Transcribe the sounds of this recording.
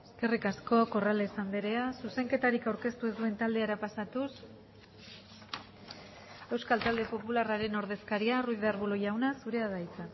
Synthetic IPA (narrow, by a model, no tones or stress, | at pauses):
e̞ske̞rikasko̞ko̞ralesand̪eɾe̞asuse̞ŋke̞t̪aɾikawɾke̞st̪ue̞zd̪ue̞nt̪ald̪e̞aɾapasat̪us | e̞wskalt̪ald̪e̞po̞pularaɾe̞no̞ɾð̞e̞skaɾiaruiðaɾβuloʝawnasuɾe̞aðajt͡sa